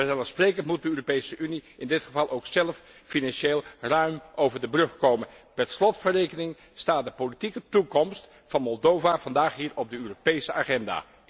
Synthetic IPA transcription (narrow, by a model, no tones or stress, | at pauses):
ɛzalənsprejkəntmut̚dəøːropejsəʔyniʔɪndɪtχəvɑlˠʔowksɛləf | finɑnʃeːlˠrœɥmʔowvəɹdəbrɵχkowmən | pɛrslɔtfərejkənɪŋ | staːt̚dəpolitikətukɔmst | fɑnmɔlˠdowvav̥ɑndaːχɦiːɹɔb̚dəøːropejsəaːχɛnda̰ː